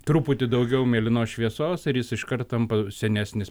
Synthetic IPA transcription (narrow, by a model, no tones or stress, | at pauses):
t̪ɾuːpʊt̪ʲɪd̪ɐʊɡʲɛʊmʲeːlʲɪnoːʃʲʋʲiɛsoːsɪɾjɪsɪʃkɐɾt̪t̪ɐmpɐsʲɛnʲæːsʲnʲɪs